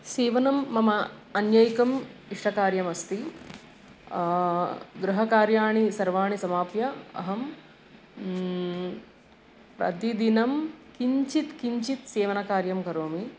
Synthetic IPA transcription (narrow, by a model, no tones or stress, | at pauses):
seːʋɐnɐmːɐmɐɐnjɐjkɐmiʂʈɐkaːɾjɐmɐst̪i | ɡɾuɦɐkaːɾjaːɳisɐɾʋaːɳisɐmaːpjɐɐ̰ɦɐm | pɾɐ̰d̪id̪inɐmkiɲt͡ʃit̪kiɲt͡ʃit̪seːʋɐnɐkaːɾjɐmkɐɾoːmi